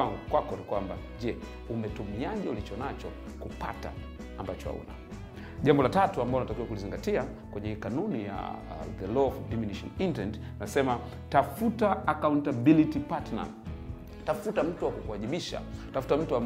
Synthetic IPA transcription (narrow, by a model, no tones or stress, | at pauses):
aŋɡukwakɔnikwamba | ʄɛ | umɛtumiaʄɛulit͡ʃɔnat͡ʃɔ | kupa̰ta̰ː | mbat͡ʃɔha̰ṵna̰ | ʄambɔlatatuambaɔunatakiwakuliziŋɡatia | kwɛɲɛikanunija̰ðɛlɔdiminiʃɔ̰nintɾɛnt | nasɛma | tafutaːkauntabilitipatna̰ | tafutam̩tuwakukuaʄiɓiʃa̰tafu̥tam̩tua